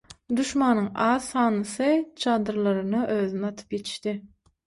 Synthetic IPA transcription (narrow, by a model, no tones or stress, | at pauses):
d̪uʃmɑnɯŋɑːðxɑːnɯsɯt͡ʃʰɑːd̪ɯɾlˠɑɾɯnɯʔøːðynɑt̪ʰɯ̥pjet̪ʰi̥ʃt̪i